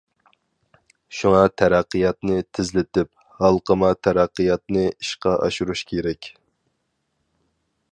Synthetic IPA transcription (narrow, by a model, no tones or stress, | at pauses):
ʃuŋɑt̪ʰæɾæqːɨjɑt̪nɨt̪ʰɪzlɪt̪ɪp̚ | hɑlˠqəmɑt̪ʰæɾɑqːijɑt̪̚nɨiʃqɑʔɑ̰ʃuɾuʃkʲʰeɾɛkʲ